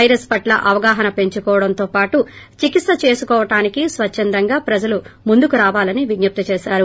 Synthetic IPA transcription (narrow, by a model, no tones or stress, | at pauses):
ɐjɾɐspɐʈlɐ̰ʔɐʋɐɡaːɦɐnɐpe̞ɲt͡ʃukɔːʋɐɽɐnt̪oːpaːʈu | t͡ʃikit̪sɐt͡ʃe̞ːsukɔːʋɐʈaːnikisʋɐt͡ʃʃːɐnd̪ɐŋɡaːpɾɐd͡ʒɐlumund̪ukuɾaːʋaːlɐniʋinjup̚t̪ɐt͡ʃɛːʃaːɾu